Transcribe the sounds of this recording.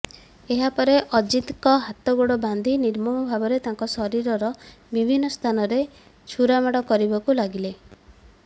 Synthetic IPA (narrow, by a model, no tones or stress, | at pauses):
eɦapɔɾeʔɔd͡ʒit̪kɔɦat̪ɔɡoɽɔband̪ʱiniɾmɔmɔbʱabɔɾet̪ãŋkɔsɔɾiɾɔɾɔbibʱinːɔst̪ʰanɔɾe | t͡ʃʰuɾamaɽɔkɔɾibakulaɡile